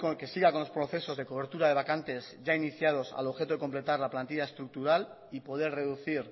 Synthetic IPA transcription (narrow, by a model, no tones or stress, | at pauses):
koke̞siɣako̞nlo̞spɾo̞θe̞so̞zðe̞ko̞β̞e̞ɾt̪uɾaðeakant̪e̞zʝainiθjað̞o̞sa̰loxe̞t̪oeko̞mple̞t̪aɾlaplant̪iʎae̞st̪ɾuk̚t̪uɾal | ipo̞ð̞e̞ɾre̞ðuθiɾ